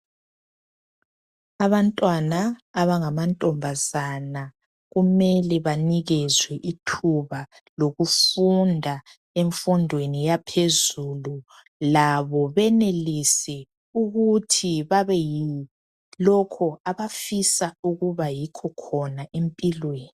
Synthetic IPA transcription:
aβantʼwanaːβaŋamantʼɔmbʱazana | ɣumɛlɛβaniɣɛzwɛʔitʰuβa | loɣufundʱa | eɱfundʱwenijapʰezulu | laβɔβɛnelisɛ | uɣutʰiβaβɛji | lɔkʰɔaβafisauɣuβajikʰɔkʰɔnaʔempʼilweːni

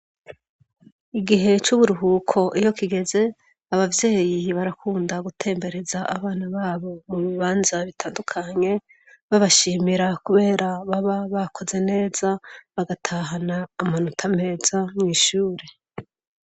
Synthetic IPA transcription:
iɡiɦe̞t͡ʃuβuɾuɦukʰo̞ʔijo̞kiɡe̞ze̞ | aβavje̞ːjiβaɾakʰuːndaɡutʰe̞ːmbe̞ɾe̞zaʔa̰βaːnaβaːβo̞muβiβaːnzaβitaːndukʰaɲe̞ | βaβaʃiːmiɾakuβe̞ːɾaβaβaβakʰo̞ze̞ne̞ːzaβaɡatʰaːɦanaːmanutʰame̞ːz̥amŋiːʃuːɾe̞

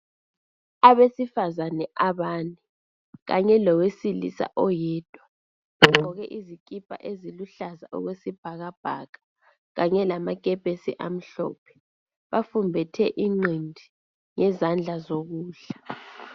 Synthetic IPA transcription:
aβesifazanɛʔaβaːnɛ | ɣaɲɛlɔwesilḭsa̰ʔɔjɛːd̥ʱwa | ɣuǁǃʱɔɣɛʔizikʼipʼa̰ʔeziluɬaza̰ʔɔ̰ɣwesib̥ʱaɣab̥ʱakʼḁ | ɣaɲɛlamaɡ̥ʱɛb̥ʱesiʔam̩ɬɔ̰ːpʰɛ̥ | βafumbʱɛtʰɛʔiŋ͡ǀindʱi | ŋɛzand͡ɮʱazoɣuːɬḁ

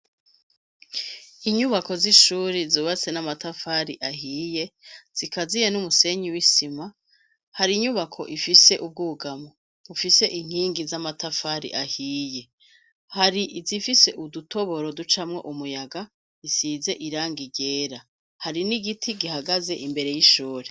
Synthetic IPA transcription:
iɲuβako̞ziʃuːɾizoːβat͡se̞namatafaɾiʔaɦiːje̞z̥ikazijenumuse̞ɲiwisima | haɾiɲuβakʰo̞̰ʔifise̞ʔub̚ɡuɡamo | βufise̞ʔiŋ̥iːŋɡizamatafaɾḭʔahiːje̞ | haɾiʔzifise̞ʔuduto̞βo̞ɾo̞dut͡ʃamŋe̞̰ʔumujaɡa | isize̞ʔiɾaːŋɡiɟe̞ːɾa | haɾiniɡitʰiɡihaɡaze̞ʔimbe̞ɾe̞jiʃuːɾe

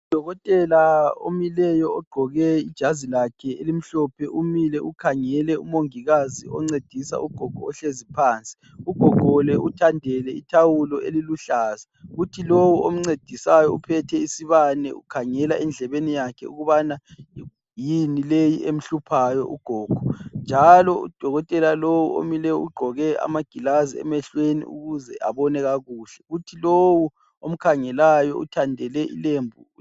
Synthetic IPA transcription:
ud̥ʱɔɣɔtʼɛlao̰milɛjɔːɡ͡ǃʱɔɣɛid̥ʒ̥ʱazilakʰɛelim̩ɬɔpʰɛʔumilɛʔukʰaŋɛlɛumoŋiɣaziɔŋ͡ǀed̥ʱisa̰ʔuɡ̥ʱɔɡ̥ʱɔːɬezipʰaːnt͡sʼi̥ | uɡ̥ʱɔɡ̥ʱɔlɛʔutʰandʱɛlɛitʰawulɔeliluɬaːzaɣutʰilowuom̩ŋ͡ǀed̥ʱisajɔupʰɛtʰɛisiβanɛ̰ʔukʰaŋɛlaʔɛnd͡ɮʱɛβenijakʰɛuɣuβana | jinilejiʔem̩ɬupʰajɔ̰ʔuɡ̥ʱɔːɡ̥ʱɔnd͡ʒʱalɔṵd̥ʱɔɣɔtʼɛlalowṵo̰milɛṵɡ͡ǃʱɔɣɛa̰maɡ̥ʱilaziɛ̰mɛɬwenḭṵɣuzɛʔaβɔnɛɣaɣuːɬɛɣutʰilowu | om̩kʰaŋɛlajɔṵtʰandʱɛlɛḭlembʱu

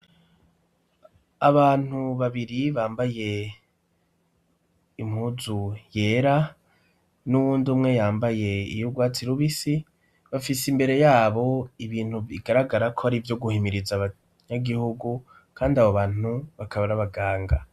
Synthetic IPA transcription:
aβaːn̥huβaβiɾiβaːmbaje̞ | im̥huzuje̞ːɾa | nuβuːndumŋe̞jaːmbaje̞ḭjuɡwaːt͡siɾuβisi | βafisimbe̞ɾe̞jaːβo̞iβiːn̥huiɡaɾaɡaɾakʰoaɾivjo̞ɡuhimiɾizaβa | ɲaɡihuɡu | kʰaːndiaβoβaːn̥uβakʰaβaɾaβaɡaːŋɡa

